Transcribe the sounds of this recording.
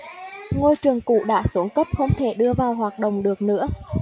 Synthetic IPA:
ŋo˧jt͡ɕɨ˨˩əŋkṵ˧˨ɗa̰ː˧˥su˨˦ŋkə˦˥p̚xə˧wŋ͡mt̪ʰe˧˩ɗɨ˧əvaː˨˩wɦwaː˨˩t̚ɗə̰˧˨wŋ͡mɗɨ˨˩ək̚nɨ̰˧˥ə

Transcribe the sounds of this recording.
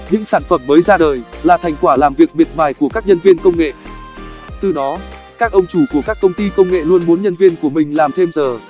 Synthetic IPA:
ɲɨ̰˧˥ŋsaː˧˩nfə˧˩mːəː˨˦jzaː˧ɗəː˨˩jlaː˨˩t̪ʰa˨˩jŋ̟kwaː˧˩laː˨˩mvi˨˩ək̚ɓi˨˩t̚ɓaː˨˩jku˧˩əkaː˦˥k̚ɲə˧nvi˧ənkə˧wŋ͡mŋḛ˧˨ | t̪ɨ˨˩ɗɔ˨˦ | kaː˦˥k̚ʔə˧wŋ͡mt͡ɕu˧˩ku˧˩əkaː˦˥kːə˧wŋ͡mt̪i˧kə˧wŋ͡mŋḛ˧˨lu˧ənɓo˨˦nɲə˧nvi˧ənku˧˩əmï˨˩ŋ̟laː˨˩mt̪ʰe˧mzəː˨˩

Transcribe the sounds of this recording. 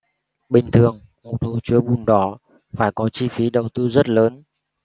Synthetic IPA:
ɓï˨˩ŋ̟t̪ʰɨ˨˩əŋ | mo˨˩t̪̚ʰu˧˩t͡ɕi˨˦əɓu˨˩nɗɔ˨˩˦ | faː˧˩jkɔ˨˦t͡ɕi˧fi˨˦ɗə˨˩wt̪ɨ˧zə˦˥t̚ləː˨˦n

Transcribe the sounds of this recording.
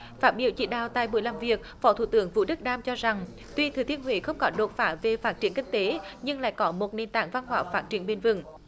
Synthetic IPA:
faː˦˥t̚ɓḭ˧˩əwt͡ɕḭ˧˩ɗaː˨˩wt̪a̰ː˧˨jɓu˧˩jlaː˨˩mvi˨˩ək̚fɔ˨˦t̪ʰṵ˧˩t̪ɨ˨˩˦əŋvṵ˧˥ɗɨ˦˥k̚ɗaː˧mt͡ɕɔ˧za˨˩ŋ | t̪wi˧t̪ʰɨ˨˩t̪ʰi˧ənɦwḭ˧˨˥xə˧wŋ͡mkɔ˨˦ɗo˨˩t̚faː˧˩ve˨˩faː˦˥t̚t͡ɕi˧˩ənŋkï˧ŋ̟t̪e˨˦ɲɨ˧ŋla̰ː˧˥˨jkɔ˨˦mo˨˩t̚ne˨˩nt̪a̰ː˧˨ŋva˧nɦwaː˧˩faː˦˥t̚t͡ɕi˧˩ənɓe˧˩nvɨ˨˧˩ŋ

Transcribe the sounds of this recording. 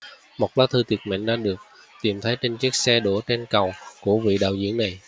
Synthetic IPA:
mo˨˩t̚laː˨˦˥t̪ʰɨ˧t̪i˨˩ət̚mḭ˧˨˩ŋɗa̰ː˧˥ɗɨ˨˩ək̚ | t̪i˨˩mt̪ʰə˨˦jt͡ɕe˧nt͡ɕi˦˥ək̚sɛ˧ɗo˧˩t͡ɕe˧nkə˨˩wku˧˩əvḭ˧˨ɗa̰ː˧˨wzḭ˧˥əŋna˨˩j

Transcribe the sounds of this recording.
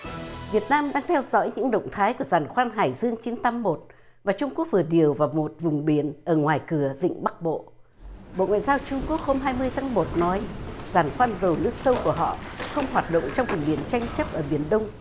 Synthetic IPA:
vi˨˩ət̚naː˧mɗaː˧ŋt̪ʰɛ˧wzɔ̰˧˥jɲɨ̰˧˥ŋɗə̰˧˨wŋ͡mt̪ʰaː˨˦jku˧˩əzaː˨˩nxwaː˧nɦaː˨˩jzɨ˧əŋt͡ɕi˨˦nt̪a˧mːo˨˩t̚ | vaː˨˩t͡ɕʊ˧ŋ͡mku˦˥ək̚vɨ˨˩əɗi˨˩əwvaː˨˩wmo˨˩t̚vʊ˨˩ŋ͡mɓi˧˩ənʔəː˧˩ŋwaː˨˩jkɨ˧˩əvḭ˧˨ŋ̟ɓa˦˥k̚ɓo̰˧˨ | ɓo̰˧˨ŋwaː˧˨jzaː˧wt͡ɕʊ˧ŋ͡mku˦˥ək̚ho˧mɦaː˧jmɨ˧əjt̪ʰaː˨˦ŋmo˨˩t̚nɔ˨˦jzaː˨˩nxwaː˧nzə˨˩wnɨ̰˦˥ək̚sə˧wku˧˩əɦɔ̰˧˨xə˧wŋ͡mhwaː˨˩t̚ɗə̰˧˨wŋ͡mt͡ɕɔ˧wŋ͡mvʊ˨˩ŋ͡mɓi˨˧˩ənt͡ɕa˧jŋ̟t͡ɕə˦˥p̚ʔəː˧˩ɓi˧˩ənɗə˧wŋ͡m

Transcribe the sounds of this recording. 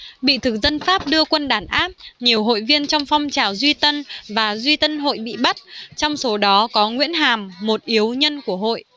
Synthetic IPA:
ɓḭ˧˨t̪ʰɨ˨˩k̚zə˧nfaː˦˥p̚ɗɨ˧əkwə˧nɗaː˧˩nʔaː˦˥p̚ɲi˨˩əwɦo̰˧˨jvi˧ənt͡ɕɔ˧wŋ͡mfɔ˧wŋ͡mt͡ɕaː˨˩wzwi˧t̪ə˧nvaː˨˩zwi˧t̪ə˧nɦo̰˧˨jɓḭ˧˨ɓa˦˥t̚t͡ɕɔ˧wŋ͡mso˨˦ɗɔ˨˦kɔ˨˦ŋwḭ˧˥ənɦaː˨˩mːo˨˩t̚ʔi˨˦əwɲə˧nku˧˩əɦo̰˧˨jʔ

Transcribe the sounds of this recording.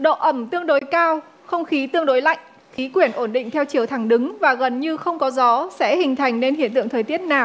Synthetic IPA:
ɗo̰˧˨ʔə˧˩mt̪ɨ˧əŋɗo˨˦jkaː˧w | xə˧wŋ͡mxi˨˦t̪ɨ˧əŋɗo˨˦jla̰˧˨jŋ̟ | xi˨˦kwi˧˩ənʔo˧˩nɗḭ˧˨ŋ̟t̪ʰɛ˧wt͡ɕi˨˩əwt̪ʰa˧˩ŋɗɨ˨˦ŋvaː˨˩ɣə˨˩nɲɨ˧xə˧wŋ͡mkɔ˨˦zɔ˨˦sɛ̰˧˥hï˨˩ŋ̟t̪ʰa˨˩jŋ̟ne˧nhḭ˧˨ənt̪ɨ̰˧˨əŋt̪ʰəː˨˩jt̪i˦˥ət̚naː˨˩w

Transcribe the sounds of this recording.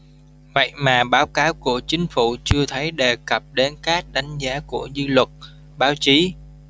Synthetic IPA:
və̰˧˨jmaː˨˩ɓaː˨˦wkaː˨˦wku˧˩ət͡ɕï˨˦ŋ̟fṵ˧˩t͡ɕɨ˧ət̪ʰə˨˦jɗe˨˩kə˨˩p̚ɗe˨˦nkaː˦˥k̚ɗa˨˦jŋ̟zaː˨˦ku˧˩əzɨ˧lwə˨˩t̚ | ɓaː˨˦wt͡ɕi˨˦

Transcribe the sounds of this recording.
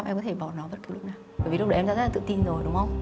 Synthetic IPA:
mʔɛ˧mkɔ˨˦t̪ʰe˧˩ɓɔ˧˩nɔ˨˦və˦˥t̪̚ʰu˨˩lʊ˦˥naː˨˩ | ə˧˩vlk͡pɗəː˨˩˨za̰˧˥zla˨t̪ɨ̰˧˨t̪i˧nzo˨˩jɗʊ˨˦wŋ͡mhə˧wŋ͡m

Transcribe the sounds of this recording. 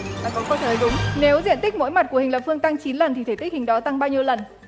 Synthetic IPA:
aː˨˩kɔ˨˦nkɔː˧˩t̪ʰəː˨˦jɗʊ˨˦ŋ͡mne˨˦wzḭ˧˨ənt̪ï˦˥k̚mo̰˧˥jma˨˩t̚ku˧˩əhi˨˩ŋ̟lə˨˩p̚fɨ˧əŋt̪a˧ŋt͡ɕi˨˦nlə˨˩nt̪ʰi˨˩t̪ʰe˧˩t̪i˦˥hï˨˩ŋ̟ɗɔ˨˦t̪a˧ŋɓaː˧wɲi˧əwlə˨˩n

